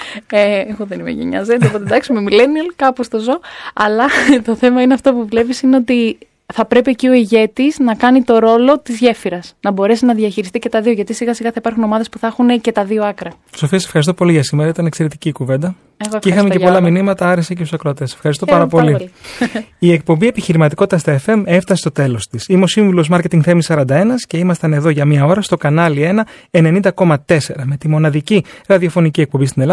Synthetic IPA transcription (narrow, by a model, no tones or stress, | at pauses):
eɣoðenimḛʝḛɲɐ̰zed̪ɐpoed̪ɐksimemileniɐlkɐpost̪ozo̞ɐlɐt̪o̞θe̞mɐineɐft̪o̞puvule̞visineo̞t̪i | θɐpɾe̞piecio̞iʝe̞t̪iznɐkɐnit̪o̞ɾo̞lo̞t̪izʝe̞fiɾɐsnɐbo̞ɾe̞sinɐðiɐçiɾist̪ice̞t̪ɐðio̞ʝɐt̪isiɣɐsiɣɐθɐipɐɾxuno̞mɐðe̞spuθɐxunece̞t̪ɐðio̞ɐkɾɐt̪isofiɐsefxɐɾist̪opoliʝɐsimeɾɐit̪ɐnekseɾet̪iciːkuve̞nd̪ɐ | ɣixɐmecepo̞lɐminimɐt̪ɐɐɾesecesusɐkɾoɐt̪e̞sefxɐɾist̪o̞pɐɾɐpo̞li | iek̚po̞mbie̞piçiɾimɐt̪i̥ko̞t̪i̥t̪ɐst̪ɐefe̞me̞ft̪ɐsest̪ot̪e̞lo̞st̪isimeo̞siɱvulo̞zmɐɾcet̪iŋɡθe̞misɐɾɐnd̪ɐe̞nɐsce̞imɐst̪ɐne̞ðo̞ʝɐmɲɐo̞ɾɐst̪o̞kɐnɐlie̞nɐe̞ne̞nind̪ɐko̞mɐt̪e̞se̞ɾɐme̞t̪imo̞nɐðiciɾɐðio̞fo̞nicie̞k̚po̞bist̪inel